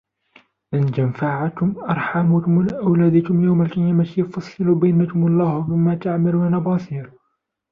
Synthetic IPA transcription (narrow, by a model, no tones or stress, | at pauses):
ʔɪnd͡ʒamfaʕak̪ʊmʔɑɾˤħamuːkʊmlʔawlaːd̪akʊmjawmalkɪjaːmat̪jfɑsˤːɨlubajnakʊmɑlˤːɑːhbɪmːat̪aʕmalwanabɑːsiːɾ